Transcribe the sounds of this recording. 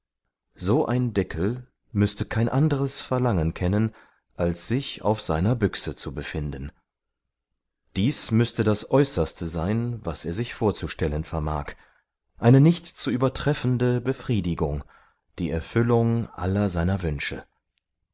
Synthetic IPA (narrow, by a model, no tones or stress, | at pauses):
z̥oːʔa̰ɪndɛkʰl̩ | mʏstəkʰaɪnʔandəʁəsfɛɐlaŋənkʰɛnən | ʔalsz̥ɪça̰ʊfz̥a̰ɪnɐbʏksət͡subəfɪndn̩ | d̥iːsmʏstədasʔɔʏsɐstʰəzaɪnvaseːɐzɪçfoːɐt͡suʃtɛlənfɛɐma̰ːk | ʔaɪnənɪçtt͡suʔyːbɐtʁ̥ɛfn̩dəbəfʁ̥iːdɪɡʊŋ | d̥iːɛɐfʏlʊŋʔa̰lɐzaɪnɐvʏnʃə̰